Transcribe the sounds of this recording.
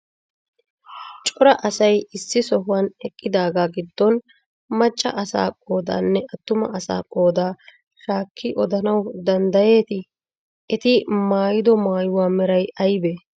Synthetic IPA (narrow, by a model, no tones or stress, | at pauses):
t͡ʃʼɔɾɐʔɐsɐjɪsːɪsɔɦʊwɐnɛkʼːɪd̪aːɡaːɡɪd̪ːɔn | mɐt͡ʃʼːɐ̰ʔɐsa̰ːkʼo̞ːd̪a̰ːnːɛʔɐt̪ːʊmɐ̰ʔɐsa̰ːkʼoːd̪aː | ʃaːkʰːɪʔɔd̪ɐnɐwd̪ɐnd̪ɐje̞ːt̪ɪ | ʔɛt̪ɪmaːjɪd̪ɔmaːjʊwaːmɛɾɐjʔɐjbe